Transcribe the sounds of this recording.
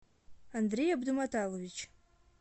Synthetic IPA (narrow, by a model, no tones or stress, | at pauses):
andrejabdumatʰalovʲit͡ʃʰ